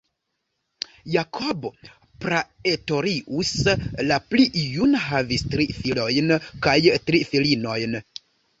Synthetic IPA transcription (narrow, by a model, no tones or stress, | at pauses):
jakʰobo̞ | pɾaeto̞ɾiʔuslapliʔijunɦavistɾifilo̞jnkajtɾifilino̞jn